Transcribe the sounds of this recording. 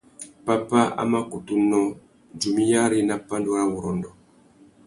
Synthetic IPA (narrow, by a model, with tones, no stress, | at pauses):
pa˦pa˦a̰˦ma˦ku˨tu˦nɔ˦ | d͡ʒu˨mi˦ja˦ɾi˦na˦pa˦ndu˦ɾa˦wu˨ɾɔ˨ndɔ˨